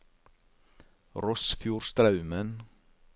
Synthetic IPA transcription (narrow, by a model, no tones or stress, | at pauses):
ɾɔsfjuːɾst̪ɾɑʉmən